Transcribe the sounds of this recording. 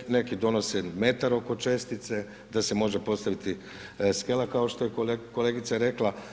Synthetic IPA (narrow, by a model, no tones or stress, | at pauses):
ne̞kid̪o̞no̞seme̞t̪aɾo̞ko̞t͡ʃe̞st̪it̪se̞ | d̪asemo̞ʒepo̞st̪aʋit̪i | ske̞lakao̞ʃt̪o̞jekokoleɡit̪saɾe̞kla